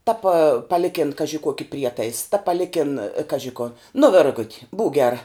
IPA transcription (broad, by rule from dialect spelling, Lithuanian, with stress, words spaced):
tɐ pɐ pɐˈlʲɪkʲɪn ˈkɑːʒʲɪ ˈkuɔkʲɪ ˈpʲrʲiɛtɐɪs tɐ pɐˈlʲɪkʲɪn ˈkɑːʒʲɪ koː nʊ ˈʋʲɪrɡʊtʲ buːk ˈɡʲæːrɐ